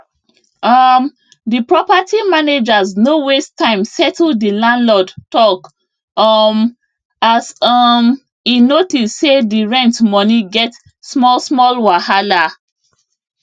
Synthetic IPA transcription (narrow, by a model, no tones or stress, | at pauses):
ʌm | dipɹɔpatʰimaned͡ʒaznowestãɪ̃msɛtʰl̩dilãnlɔdtɔk | ʌm | asɔm | inotissediɹɛ̃ntmɔniɡɛt | smɔsmɔlwahala